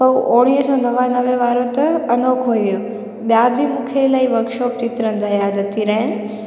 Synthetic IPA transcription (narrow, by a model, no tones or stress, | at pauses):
pɐʔoːɽ̃iːɦəsɔːnɐʋãnɐʋẽʋaːɾot̪ɐɐnoːkʰɦoːiʋijoː | bjaːbʱimukʰelaːiʋɐɾkʃɔːp̚t͡ɕɪt̪ɾənɪd͡ʑajaːd̪ʱət̪ʰiɾɐɦɪn